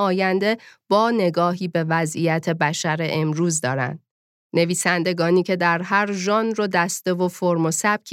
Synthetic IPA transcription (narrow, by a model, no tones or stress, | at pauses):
ɒːjænd̪e̞b̥ɒːne̞ɡɒːɦiːbe̞væzijæt̪ʰe̞bæʃæɾe̞ʔemɾuːzd̪ɒːɾæ̰nd̪̥̚ | ne̞viːsænd̪e̞ɡɒːniːcʰe̞d̪æɾɦæɾʒɒːnrod̪æst̪e̞vofoɾmosæb̥̚cʰ